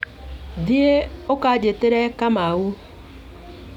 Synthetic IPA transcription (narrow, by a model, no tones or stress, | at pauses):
dieokad͡ʒeteɾɛkamau